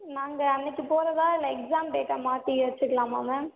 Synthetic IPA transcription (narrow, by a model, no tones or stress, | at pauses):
naːŋɡɐɐnːɪkːɯpoːɾɐðaːɪlːɐɛksaːmʈeːʈːaːmaːt̪iʋɐt͡ʃːɯkːɐlãːma̰ːmɐ